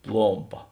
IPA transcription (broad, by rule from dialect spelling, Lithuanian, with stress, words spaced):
ˈplˠoːmpɐ